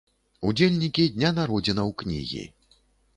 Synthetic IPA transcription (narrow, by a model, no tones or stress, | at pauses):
ud͡zʲelʲnʲikʲid̪ʲnʲanaɾɔd͡zʲinɐwknʲḭɣʲḭ